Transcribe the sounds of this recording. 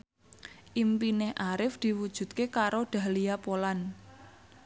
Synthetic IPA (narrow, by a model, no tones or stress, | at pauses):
ʔimpinɪhʔaɾɪfd̪̥i̤wud̥ʒ̥ṳt̪̚kekaɾoɖ̪̥ä̤liapolan